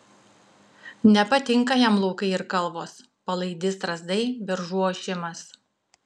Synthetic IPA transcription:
nʲɛpɐt̪ʲɪŋˑkɐjɛmlˠuʊkɐɪɪɾkɐlˠʋoːs | pɐlˠɐɪd̪ʲɪst̪ɾɐzd̪ɐɪʋʲɪɾʒuɔʃʲɪmɐs

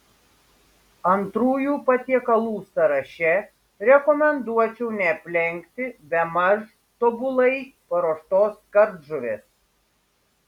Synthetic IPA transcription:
ɐnt̪ɾuːjuːpɐt̪ʲiɛkɐlˠuːsɐɾɐʃʲɛ | ɾʲɛkɔmʲɛnd̪uɔt͡ʃʲɛʊnʲɛpʲlʲɛŋʲkt̪ʲɪbʲɛmɐʒ | t̪obʊlˠɐɪpɐɾoːʃt̪oːskɐɾd̪ʒʊɾʲḛːs

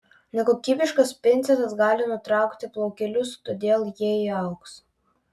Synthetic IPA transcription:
nʲɛkoːkʲiːbʲɪʃkɐspʲɪnʲt̪sʲɛt̪ɐsɡɑːlʲɪnʊt̪ɾɑˑʊkt̪ʲɪplˠɔʊkʲɛlʲʊst̪oːd̪ʲeːlˠjiɛiɐʊks

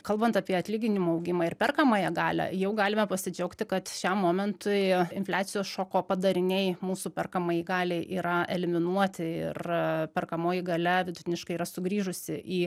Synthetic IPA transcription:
kɐlˠbɐnt̪ɑpʲiɛɐt̪ʲlʲiːɡʲɪnʲɪmuːɐʊɡʲɪmɑːɪɾpʲɛrkɐmɑːjɛɡɑːlʲɛ̰jɛʊɡɑːlʲɪmɛpɐsʲɪd͡ʒʲɛʊkt̪ʲɪkɐt̪ʃʲɛmːoːmʲɛnt̪ʊɪɪ̰nʲfʲlʲæːt̪sʲɪjoːsʃoːkoːpɐd̪ɐɾʲɪnʲɛɪmuːsuːpʲɛrkɐmɐjiɡɑːlʲɛɪʔiːɾɐɛlʲɪmʲɪnuɔt̪ʲɪɪ̰rpʲɛrkɐmoːjɪɡɐlʲɛʋʲɪd̪ʊt̪ʲɪnʲɪʃkɐɪiːɾɐsʊɡɾʲiːʒʊsʲɪʔiː

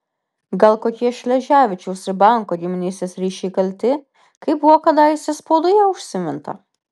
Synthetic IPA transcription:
ɡɐlˠkoːkʲiɛʃʲlʲɛʒʲæːʋʲɪt͡ʃʲɛʊsʲbɑˑŋkoːɡʲimʲɪnʲɛsʲesʲɾʲiːʃʲɛɪkɐlʲt̪ʲɪ | kɐɪpbʊʋɔkɐd̪ɑjɪsʲɛspod̪ɔjɛʊʃʲsʲɪmʲɪnt̪ɐ̰

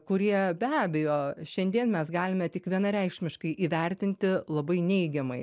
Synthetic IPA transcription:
kʊɾʲiɛbʲæːbʲɛjoːʃʲɛnʲd̪ʲiɛnmʲɛsɡɑːlʲɪmʲɛt̪ʲɪkʋʲiɛnɐɾʲɛɪkʃʲmʲɪʃkɐɪʔiːʋʲɛɾʲt̪ʲɪnʲt̪ʲɪlˠɐbɐɪnʲɛɪɡʲɛmɐɪ

